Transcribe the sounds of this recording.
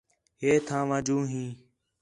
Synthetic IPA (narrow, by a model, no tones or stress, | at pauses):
ɦeːt̪ʰãːʋãːd͡ʒũːɦĩː